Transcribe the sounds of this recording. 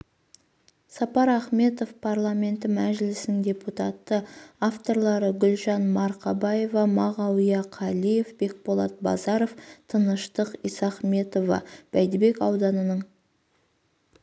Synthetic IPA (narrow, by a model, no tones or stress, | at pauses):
sɑpɑɾɑχme̞t̪o̞fpʰarlˠamʲe̞nt̪ɪmæʒɪlɪsnɪŋd̪ʲe̞put̪ɑt̪ːəaft̪o̞ɾlˠɑɾəɡʲʏlʒɑnmɑɾqɑbɑjevɑmɑʁɑwijɑqʰɑlije̞fb̥e̞k̚bolˠɑt̪̚bɑ̰zɑɾo̞ft̪ʰənəʃt̪əqijsɑχme̞t̪o̞vɑ̰b̥æjd̪ɪbe̞kɑwd̪ɑnənəɴ